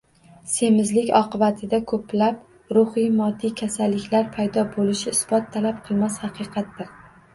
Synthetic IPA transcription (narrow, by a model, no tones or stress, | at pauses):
se̞mɪzlɪkʲɒ̰qʰɨbat̪ʰɪd̪akʰɵplap | ɾʊhijmɒd̪ːikʲʰasalːɪkʲlaɾpʰajd̪ɒbolɪʃɪːsb̥ɒt̪ʰːalap̚qʰɨlˠmashɑqʰɨqʰɑt̪ːɪɾ